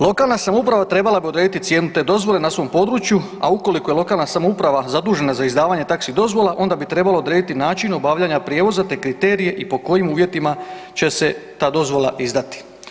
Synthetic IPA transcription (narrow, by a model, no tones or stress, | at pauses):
lˠo̞kaːlnasamoupɾaʋat̪ɾe̞balabiod̪ɾe̞ːd̪it̪it̪sje̞ːnut̪e̞ːd̪o̞zʋo̞le̞nasʋo̞mpo̞d̪ɾut͡ʃju | a̰uko̞liko̞jelo̞kaːlnasamoupɾaʋazad̪uːʒe̞nazaizd̪aːʋaɲe̞t̪aksid̪o̞zʋo̞laʔo̞nd̪abit̪ɾe̞balod̪ɾeːd̪it̪inaːt͡ʃino̞baːʋʎaɲapɾjeːʋo̞zat̪e̞ːkɾit̪e̞ːɾije̞ʔipo̞ko̞jimuːʋje̞t̪ima | t͡ɕe̞se̞t̪aːd̪o̞zʋo̞lˠa̰ʔizd̪at̪i̥